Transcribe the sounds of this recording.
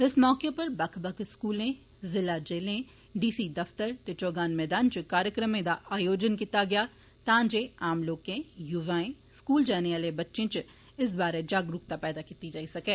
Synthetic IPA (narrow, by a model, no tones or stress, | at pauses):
ɪsmɔːkepɐɾbɐkʰbɐkʰskuːlẽ | zɪlad͡ʒeːlẽ | ɖiːsid̪ɐft̪əɾt̪et͡ʃɔːɡaːnmɛːd̪aːnt͡ʃkaːɾjəkɾəmẽd̪aʔaːjoːd͡ʒənkiːt̪aɡɪjaː | t̪ãːd͡ʒeaːmloːkẽjʊʋaːẽ | skuːld͡ʒɛːneaːlebɐtːʃẽt͡ʃ | ɪs̬baːɾed͡ʒaːɡɾʊkt̪apɛːd̪akiːt̪id͡ʒaːisɐkeː